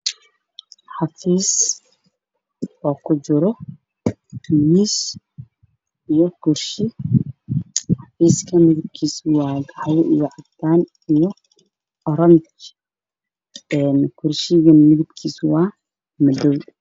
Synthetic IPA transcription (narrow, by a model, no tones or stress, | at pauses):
ħɑfiːs | ɔːkʰʊd͡ʒɪɾɔ | miːs | ijɔkʰʊrʃɪ | ħɑfiːskʰɐmɪðɪb̚kʰiːswɑːɡʕajʔijɔʕɑt̪ːaːn | ijɔ | ɔɾɔmt͡ʃ | ɛːnkʰʊrʃɪɣɐmɪðɪbkʰiːswɑː | mɐd̪ɔw